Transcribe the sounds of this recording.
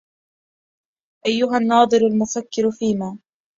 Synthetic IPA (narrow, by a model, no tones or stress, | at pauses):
ʔajːʊɦanːɑːd̪ˤɨɾalmʊfakːɪɾfiːmaː